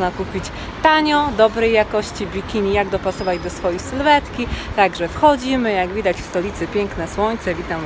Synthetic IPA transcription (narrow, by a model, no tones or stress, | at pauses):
nakupʲit͡ɕ | t̪aɲɔ̃d̪ɔbɾɛjːakɔɕt͡ɕibʲikʲinʲijaɡd̪ɔpasɔvad͡ʑd̪ɔsfɔjejsɘlvɛt̪kʲit̪aɡʐɛfxɔd͡ʑimɘjaɡvʲid̪at͡ɕfst̪ɔlʲit̪sɘpʲjɛŋknɛswɔɲt̪sɛvʲit̪am